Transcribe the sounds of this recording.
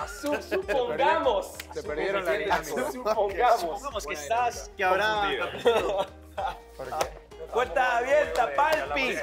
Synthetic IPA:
susupoŋɡamosseeɾeɾoeupoŋɡaupoŋɡamoskesaskeaβɾa | bwelt̪aːβjeɾt̪apalpi

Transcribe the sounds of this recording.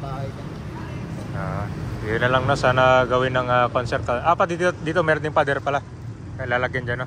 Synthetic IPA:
baj | aanalaŋnosaːnaɡawɪnːɐŋakonsɛrt̪̚kaʔapad̪it̪d̪it̪omɛɾɔnɪŋpad̪ɛrpala | kajlalakɪnd͡ʒano

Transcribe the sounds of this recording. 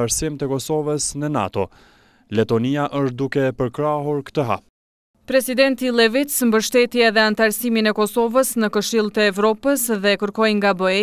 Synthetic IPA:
aɾsimt̪əkɔsɔvəsnəna̰t̪ɔ | lɛt̪ɔniaʔəʃt̪̚d̪ukɛpəɾkɾaɦuɾkt̪əɦa̰ | pɾɛsid̪ɛnt̪ilˠɛvit͡smbəʃt̪ɛt̪jɛɛðɛant̪aɾsiminɛkɔsɔvəsnəkəʃilˠt̪əːvɾɔpəsðɛkəɾkɔjŋɡabəɛ

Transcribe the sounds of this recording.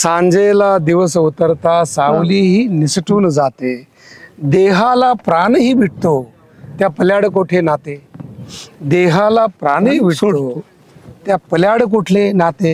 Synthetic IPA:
sãɲd͡zelad̪iʋəsəut̪əɾt̪asawliːɦiːnisʈuːnd͡zat̪e | d̪eɦãlapɾanɦiːbʱiʈ̚ʰt̪o | t̪japəljaɽkoʈʰenat̪e | d̪eɦalapɾanɦiːbʱiʈt̪o | t̪japəljaɽk̬oʈʰlenat̪e

